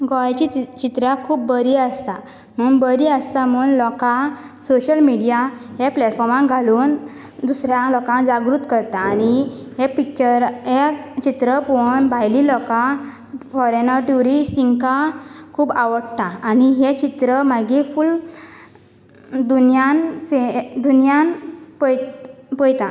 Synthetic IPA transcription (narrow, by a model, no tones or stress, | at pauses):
ɡɔat͡ɕit͡ɕit̪ɾakʰuːpbəɾiəst̪a | m̤unbəɾiːəst̪amuːnlɔkasoɕəlmiɽijaɦeplɛʈfɔɾmãŋɡʱaluːn | d̪usɾjalɔkãd͡zaɡɾut̪kəɾt̪aːñiɦepik̚t͡ɕəɾet͡ɕit̪ɾəpoɳbʱajlilɔka | fɔɾenəɾʈuɾisiŋkakʰuːbaʋəɽt̪aːniɦet͡ɕit̪ɾəmaɡiful | d̪unjanfed̪unjanpəjpɔjt̪a